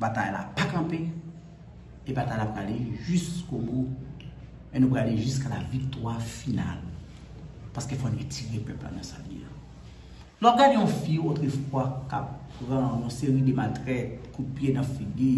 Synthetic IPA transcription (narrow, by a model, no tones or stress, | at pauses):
bata̰jla̰pakɐ̃pe | ebat̪aj̃lapɣaleʒyskomu | enũpɣaleʒyskalavikt̪wafina̰l | paskefɔnatʰiɣepɛpla̰nãsa̰lḭa̰ | lɔɡadeɔ̃fiot̪ɣefwakap̚ɣãjɔ̃seɣidematʁɛtkupjenãfili